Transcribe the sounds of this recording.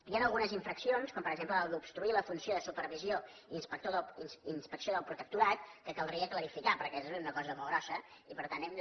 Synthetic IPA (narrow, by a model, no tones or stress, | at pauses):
janəlˠɣunəziɱfɾəksionskɔmpəɾəɡzempləːlˠd̪upst̪ɾuiləfunsioðəsupəɾrβizio | inspək̚t̪oðˠinsinspəksioðəlˠpɾut̪ək̚t̪uɾat̪̚kəkəlˠd̪ɾiəkləɾifikapəɾkɛnɛzunəkɔzəmolˠɣɾɔsəipəɾt̪anɛm